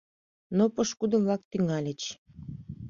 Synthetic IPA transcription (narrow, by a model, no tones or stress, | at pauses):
nopəʃkud̪əmvlɑk̚t̪yŋɑlʲĕt͡ɕ